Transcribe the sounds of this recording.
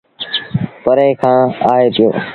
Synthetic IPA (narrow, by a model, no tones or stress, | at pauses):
pəɾeːkʰãːaːeːt̪ʰɪjo̰ː